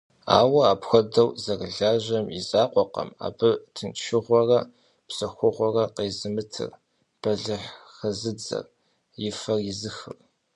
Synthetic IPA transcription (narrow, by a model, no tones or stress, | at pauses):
a̰ːwɐaːpxʷɐdɐwzɐrɮaːʑɐmizaːqʷɔqɐ̰ma̰ːbɨtʰɨnʃɪʁʷɔrɐ | bsɐxʷʊʁʷɔrɐqeːzɨmɨtʰɨ̰r | b̥ɐɮɨħxɐzɨd͡zɐ̰r | jɪfɐrjɪzɨxɨ̰r